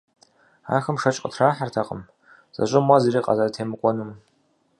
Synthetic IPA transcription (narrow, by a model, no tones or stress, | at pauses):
a̰ːrxɨmʂɐt͡ʃʼqʼə̰tʰraːħartʰaqʼə̰m | z̥ɐ̰ɕʷʼɪmwaziriːqʼa̰zɐrtʰeːmɨkʷʼɔnɨm